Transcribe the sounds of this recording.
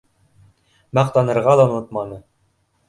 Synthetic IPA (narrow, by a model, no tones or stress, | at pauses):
mɑqt̪ɑnɤ̆ɾʁɑlˠɑŏnot̪mɑnɤ